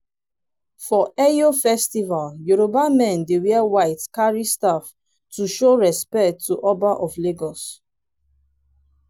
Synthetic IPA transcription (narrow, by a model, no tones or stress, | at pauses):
fɔɛjofɛstivaljuɹobamɛ̃ndewɛɛwaɪtkaɹistaf | tuʃoɹɛspɛk̚tʰːuʔɔbaʔɔfleɡɔs